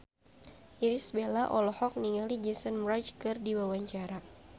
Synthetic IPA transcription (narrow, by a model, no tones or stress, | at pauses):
ʔiɾisbelaʔɔlɔhɔk̚niŋalid͡ʒɛsənmɾat͡ʃkɨrdiwawaɲt͡ʃaɾa